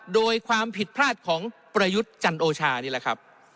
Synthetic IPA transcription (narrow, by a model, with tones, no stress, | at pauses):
doː˧jkʰwaː˧mpʰi˨˩t̪̚pʰɾaː˥˩t̪̚kʰɔː˩˦ŋpɾa˧ju˦˥t̪̚t͡ɕa˧nʔoː˧t͡ɕʰaː˧niː˥˩lɛ˨˩kʰɾa˦˥p̚